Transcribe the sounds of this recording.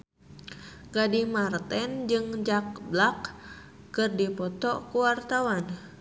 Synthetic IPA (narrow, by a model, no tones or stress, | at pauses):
ɡadimart̪ɛnd͡ʒɨŋd͡ʒak̚blakː | ɨrdipɔt̪ɔkuwart̪awan